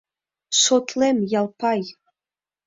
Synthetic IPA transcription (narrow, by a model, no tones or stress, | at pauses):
ʃot̪ʰlemjɑlˠpɑj